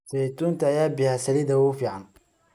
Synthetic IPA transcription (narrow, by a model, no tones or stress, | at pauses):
sɛt̪ʰuːnt̪ʰɐːjaːbɪhasɐlɪd̪ɐʊfiːʕɑn